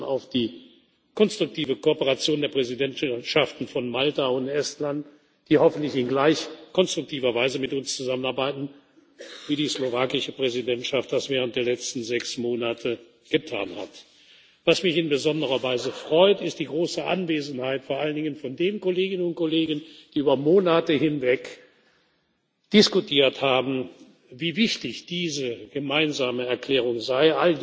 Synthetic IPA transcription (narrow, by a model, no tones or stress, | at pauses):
a̰ʊfd̥iː | kʰɔnstʁ̥ʊk̚tʰiːvəkoːpəʁat͡sjoːndeːɐpʁ̥ɛzidɛnʃaftn̩fɔnmaltaʊntʔɛstlant | d̥iːhɔfn̩tlɪçɪnɡlaɪçkʰɔnstʁ̥ʊk̚tʰiːvɐvaɪzəmɪtʊnst͡suzamənaɐbaɪtn̩ | viːdiːslovaːkɪʃəpʁ̥ɛzidɛntʃaft̚d̥asv̥ɛːʁ̞əntd̥eːɐlɛt͡stn̩zɛksmoːnatʰə | ɡ̥ətʰa̰ːnha̰t | v̥asmɪçɪnbəzɔndəʁɐvaɪzəfʁ̥ɔʏtɪstd̥iːɡʁoːsəʔa̰nveːzn̩haɪtfoːɐʔaləndɪŋənfɔndeːnkoleːɡɪnənʊnt̚koleːɡən̩d̥iːʔyːbɐmoːnatəhɪnvɛk | d̥ɪskutʰiːɐthaːbm̩ | viːvɪçtɪçd̥iːzəɡ̥əmaɪnzaːməɛɐkl̥ɛːʁ̞ʊŋzaɪʔald